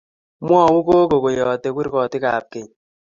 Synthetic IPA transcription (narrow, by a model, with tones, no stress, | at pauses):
mwɔ˦˨wu˦ko˦ko˨ko˨jɔː˨tɛ˨kʷwi˦ɾkɔ˨tɪ˦ka˨p̚ke˨ɲ